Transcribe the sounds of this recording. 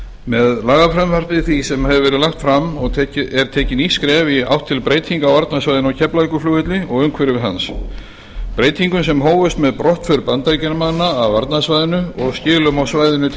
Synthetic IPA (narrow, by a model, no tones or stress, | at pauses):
mɛðlaːɣafɾɛmvaɾpɪθisɛmhɛvɪvɛːɾɪðlaxt̪fɾamɔɛɾ̥t̪ʰɛːcɪniskɾɛːvɪa̰wht̪ʰːɪlpɾeːjt̪ʰiŋkawaɾt̪nasvajðɪnawcʰɛplaikʏflʏːvɪt̪lɪɔɣʏmkʰvɛɾɪvɪðɦa̰ns | pɾeːjt̪ʰiŋkʏmsɛmɦoːwvʏst̪mɛðpɾɔht̪fʏɾpant̪ajcɛɾmanːaːvaɾt̪nasvajðɪnʏɔɣscɪːɣlʏmawsvaːjðɪnʏ